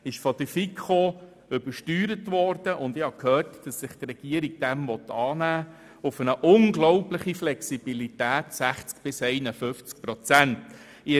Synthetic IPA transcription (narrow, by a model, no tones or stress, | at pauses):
ɪʃfɔd̪əfikʰχo | ʏbəʃtyːɾətʋɔrd̥əʔʊndɪhɑkʰhøːrtd̥ɑsːɪχt̪rɛɡ̥iəɾiɡ̚d̥ɛmvɔt̪ɑːnæː | ʊfənəʔʊŋɡlɔʊpləχiflɛksibilitæːtsæχt͡skb̥ɪsɛjnəfʏft͡sk̚pɾɔt͡sænt | ɪ